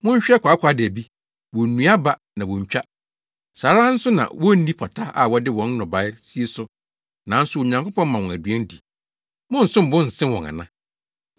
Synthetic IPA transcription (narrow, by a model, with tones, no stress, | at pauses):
mʊ̃˦ɲ̩˦ɕᶣɛ˦kʷa˨˦kʰʷa˨˦dɪ˨æ˨bi˦ | wɔ˨nũ˨˦a˦ba˨ | nã˨wɔ̃˨ɲ˨t͡ɕᶣa˦ | saː˨ɾa˦n̩˦sʊ˦nã̰˨wɔ˦n̩˦nĩ˦pʰɔ˨tʰa˦a̰˨wɔ˦dɪ˦wɔ̃˦n˦nɔʊ̃˨ba˨˦ɪ˦si˦e˨sʊ˦ | nã˨˦n̩˦sʊ˦o˨ɲã˨ŋko˦pʰɔ̃˦m˦mã˨wɔ̃˨æ˨dɥɛ̃˦n˦di˨ | mʊ̃˦n̩˨sʊ̃˦m̩˨bʊ̃˦n̩˨sɪ̃˦wɔ̃˨ŋã̰˨nã˦